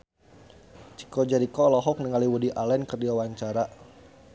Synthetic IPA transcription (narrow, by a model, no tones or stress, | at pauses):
t͡ʃi̥kɔd͡ʒaɾikɔlɔɦɔk̚niŋaliwudiʔalɛnkərdiawaɲt͡ʃaɾa